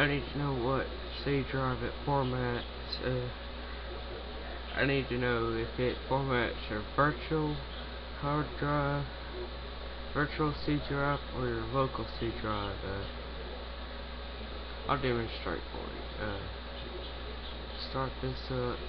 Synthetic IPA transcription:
aɪnid̚tʰɨnoʊwʌt̚ | sidɹaɪvɨtfɔɹmæt | sʌ | ʔa̰ɪnid̚tɨnoʊɪfɪtfɔɹmætsə˞vɜ˞t͡ʃul̩ˠ | kʰɑɹddɹaɪv | vɜ˞t͡ʃul̩ˠsidɹaɪvə˞jə˞loʊkl̩ˠsidɹaɪvʌ | aɪlˠdɛmɨ̃nstɹ̥ḛɪtfɔ̰ɹɨ̰ʌ | stɑɹt̪̚ðɪsʌp̚

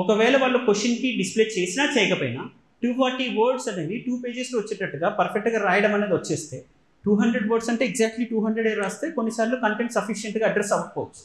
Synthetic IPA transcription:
ɔkɐʋɛːlɐʋaːɭːukoʃinkiɖispleːt͡ʃe̞ːsinaːt͡ʃɛːjɐkɐpɐjina | ʈuːpʰaːɾʈiːʋoːɾɖsɐneːd̪iʈuːpe̞ːd͡ʒisluʋɐt͡ʃːeːʈɐʈːuɡaːpɐɾpʰek̚ʈɡaːɾaːjɐɽɐmɐnːeːd̪iʋɐt͡ʃːeːst̪ḛː | ʈuːɦɐɳnɖɾeɖʋoːɾɖsɐɳʈeːɡzaːk̚ʈliʈuːɦɐnd̪ɾeɖeːɾɾaːst̪eːko̞nːisaːɾlukɐɳʈeɳʈsɐpʰiʃɐɳʈɡaːɐɖɾesɐːpoːks

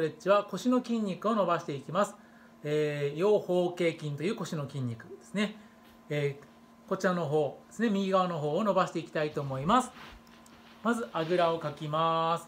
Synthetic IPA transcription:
oɾe̞t͡ɕiβako̞ɕino̞kʲĩɲ̟ʲːikɯ̟o̞no̞baɕi̥t̪e̞ikʲimasɨ̥ | eːjo̞ːho̞ːke̞ːkʲĩnt̪o̞jɯ̟ːko̞ɕino̞kʲĩɲ̟ːikɯ̟d̪̥e̞̥sɨne̞ | kot͡ɕiɾano̞ɦo̞ːd̪̥e̞sɨne̞mʲiɡʲiɡaβano̞ɦo̞ːno̞baɕi̥t̪e̞ikʲi̥t̪ait̪o̞ːmo̞imasɨ̥ | mazɨaɡɯ̟ɾao̞kakʲimasɨ̥

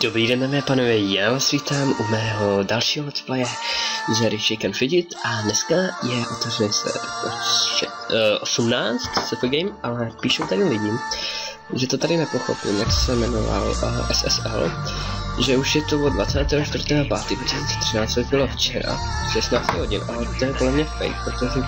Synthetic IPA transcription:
d̥o̞bɾiːdɛnd̪amapaːnovjɛjaːvasviːt̪aːmumɛːɦodalʃiːɦolɛt̪plajɛzɛɾɪʃɛkanfɪɟɪt̪ʔadnɛskajɛʔot̪ɛvrɛɲsɛ̰oɛ | ʔosumnaːt͡st̪sofɡɛjmʔalɛpiːʃuwt̪aɾɪlɪɟɪm | ʒɛt̪ot̪adɪnɛpo̞xopḭmjaksɛmɛnova̰lʔɛsʔɛsɛ̰l | ʒɛʔuʃjɛt̪ovodvat͡saːt̪ɛːɦoʃt̪vrɾt̪ɛːɦopaːt̪iːvat͡ʃasiːt͡sɛ̥t̪r̥ɪnaːt͡st̪bɪloft͡ʃɛɾa̰ | ʃɛst̪naːt͡st̪iːɦo̞ɟɪnʔalɛt̪ojɛkolɛmɲɛfɛ̰jk̚pɾot̪oʒɛ

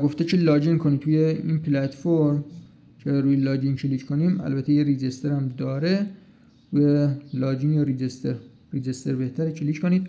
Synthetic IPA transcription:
ɡo̞ft̪et͡ʃʰelɒːd͡ʒinkʰonid̪t̪ʰuːjeiːnpʰlæt̪foɾm | cʰeɾuːjelɒːd͡ʒint͡ʃʰeliːkʰkʰoniːmæ̰lbæt̪ʰejeɾid͡ʒist̪eɾæmd̪ɒːɾe | t̪ʰuːjelɒːd͡ʒiːnjeɾid͡ʒist̪eɾ | ɾid͡ʒist̪eɾbeht̪ʰæɾet͡ʃʰeliːckʰoniːd̪

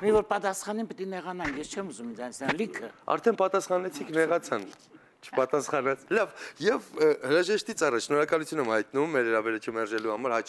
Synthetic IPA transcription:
mivɔɾpɑt̪ɑsχɑninpət̪inɛʁɑnɑnjɛst͡ʃʰɛmuzumind͡zɑnsɑnlikʰəɑ̰ɾt̪ʰɛnpɑt̪ɑsχɑnɛt͡sʰikʰmɛʁɑt͡sʰɑn | t͡ʃʰə̥pɑt̪ɑsχɑnɑt͡sʰlɑvjɛvhəɾɑʒɛʃt̪it͡sʰɑrɑt͡ʃʰʃnɔɾɑkɑlut͡sʰjunɛmhɑjt̪numːɛɾəɾɑvɛɾət͡ʃʰəmɛɾʒɛluhɑmɑɾhɑt͡ʃ

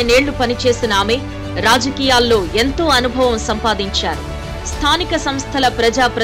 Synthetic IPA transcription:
ene̞ːɭːupɐnit͡ʃe̞ːsinaːme̞ː | ɾaːd͡ʒɐkiːjaːlːo̞ːe̞nt̪o̞ːɐnubʱɐʋɐmsɐmpaːd̪iɲt͡ʃaːɾu | st̪ʰaːnikɐsɐmst̪ʰɐlɐpɾɐd͡ʒaːpɾɐ

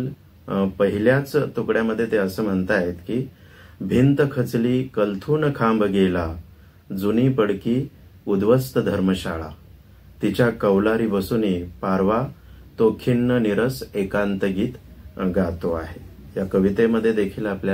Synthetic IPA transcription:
l | pəɦiljat͡st̪ukɽjaməd̪ʱːjet̪eəsəːm̤ənt̪ajet̪ki | bʱint̪kʰət͡sliːkəlt̪ʰuːnkʰãmbɡela | d͡zuniːpəɽkiː | ud̪ʋəst̪əd̪ʱəɾməɕa̰ɭa̰ | t̪it͡ɕjakəwlaɾiːbəsuːniːpaɾʋat̪okʰiɳːəniɾəsekant̪əɡiːt̪ɡat̪oaɦejakəʋit̪eməd̪ʱːjed̪ekʰiːlapl

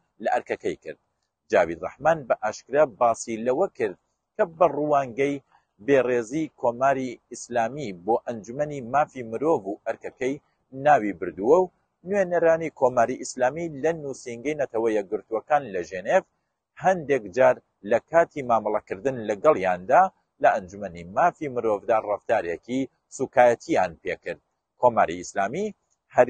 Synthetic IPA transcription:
lɐʔɐɾkɐkɐjkɨ̰ɾd̪̚ | d͡ʒaːwiːd̪rˤɑ̰ħmaːnbɐʔaːʃkɨɾabaːsilɐwɐkɨɾd̪̚ | kɐbɐruwaːŋɡɐj | bereːziːkʰoːmaːɾiɪslaːmiboːʔɐnd͡ʒumɐniːmaːfiːmɨɾoːvuːɐɾkɐkɐj | naːwibɨɾd̪uwɐw | nwenɐɾaːnikʰomaːɾiʔislaːmilɐnusiŋɡɐjnɐt̪ʰɐwɐjɛɡɨɾt̪uwɐkaːnlɐʒenev | hɐnd̪ekd͡ʒaːɾ | lɐkʰaːt̪ʰimaːmɨlˠɐkɨɾd̪ɨnlɐɡɐlˠjand̪aː | lɐʔɐnd͡ʒumɐnimaːfimɨɾovd̪aːrˤɨft̪aːɾeki | suːkaːjɐt̪ʰijanpekɨɾd̪̚ | kʰoːma̰ːɾḭislaːmi | hɐ

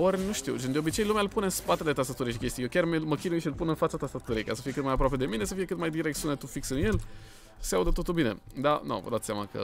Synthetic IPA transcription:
orʲnuʃt̪iwd͡ʒend̪eo̞bit͡ʃejlumʲaɨlpuneɨnspat̪elet̪ast̪at̪uɾiejʃikʲe̞st̪ijekʲarmlməkʲid̪mʃiɨlpunɨnfat̪sat̪ast̪at̪uɾʲijkasə̥fije̞kɨt̪majapɾoape̞d̪e̞mine̞sə̥fije̞kɨt̪majd̪iɾek̚t̪sunet̪ufiksɨnje̞l | saud̪ət̪o̞t̪ulbine̞̰d̪anṵa̰və̰d̪at̪seama̰kə̰

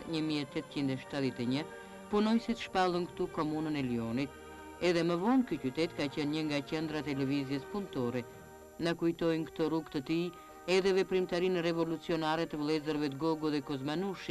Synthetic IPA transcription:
ɲəmiɛt̪ɛt̪cind̪ɛʃt̪aðit̪ɛɲə | punɔjsit̪ə̥ʃpalˠəŋkt̪ukɔmunənɛliɔnit̪̚ | ɛðɛməvɔnkycyt̪ɛt̪kacənɲəŋɡacɛnd̪ɾat̪ɛlɛvizjɛspunt̪ɔɾɛ | nəkujt̪ɔjŋkt̪ɔɾuɡt̪ət̪i | ɛðɛvɛpɾimt̪aɾinɛɾɛvɔlut͡siɔnaɾɛt̪əvlˠɛzəɾvɛt̪ɡɔɡɔðɛkɔzmanuʃi

